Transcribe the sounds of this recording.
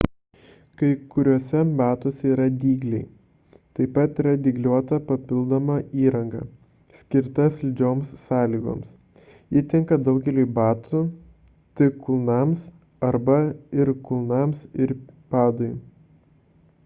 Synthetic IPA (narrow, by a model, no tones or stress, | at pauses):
kɐɪkʊɾʲuɔsʲɛbɑːt̪oːsʲɛiːɾɐd̪ʲiːɡlʲɛɪ | t̪ɐɪpɐt̪iːɾɐd̪ʲɪɡlʲuɔt̪ɐpɐpʲɪlˠd̪oːmɐiːɾɐŋɡɐ̰ | sʲkʲɪɾt̪ɐsʲlʲd͡ʒʲoːmsːɑːlʲiːɡo̰ːms | iːt̪ʲɪŋkɐd̪ɒʊɡʲɛlʲuːbɑːt̪ʰʊ | t̪ʲɪkʊlˠnɐms | ɐɾbɐɪɾkʊlˠnɑmsɪɾpɑːd̪ɔɪ